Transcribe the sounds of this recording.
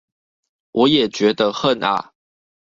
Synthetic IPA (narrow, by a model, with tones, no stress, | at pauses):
wʔɔ˨˦jɛ˨˩t͡ɕɥɛ˨˦˥d̪ə˧xə˥˨na̰˨˩